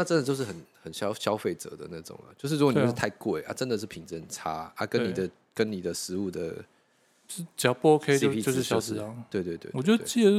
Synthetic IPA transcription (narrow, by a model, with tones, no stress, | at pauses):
na˥˩ʈ͡ʂə˥˦nd̪ə˨t͡ɕjo˥˧ʊʂɻ̩˥˩xə˨˩˦nxə˨˩nɕjɑ˥ʊɕjɑ˥ʊfe˥˩ɪʈ͡ʂə̰˨˦d̪ə̰˦na˥˩ʈ͡ʂʊ̰˨˩˦ŋɐ̰˩t͡ɕjo˥˧ʊʂɻ̩˥˩u˥ko˨˩˥t̪ʰa˥˩ɪkwe˥˨˩ɪʔa̰˥˩ʈ͡ʂə˧˦nd̪ə˨ʂ̬ɻ̩˥˩pʰi˨˩ŋt͡sə˥˩ə˨˩nʈ͡ʂʰa˦˥a̰˥kə˦ni˨˩d̪ə˦ | kə˦nni˨˩d̪ə˩ʂɻ̩˧˦u˥˩d̪ə̰˩˥ | t͡ɕjɑ˨˩ʊpu˥˩o˥kʰe˥˦ipʰi˥˧o˥˧ʂɻ̩˥˩ɕjɑ˥ʊs̩˧˥˦t̪we˥˧ɪt̪we˥˧ɪt̪wḛ˥˧wɔ˨˩jo̰˥˧˥t͡ɕi˥˩ə˨